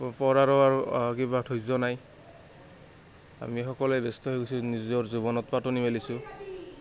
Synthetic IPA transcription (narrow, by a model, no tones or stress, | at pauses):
pɔɹaɹɔaɹukibatʰojzɔnaj | a̰mixɔkɔlɛbɛstɔɦojɡojsunizɔɹzubɔnɔtpatɔnimelisʊ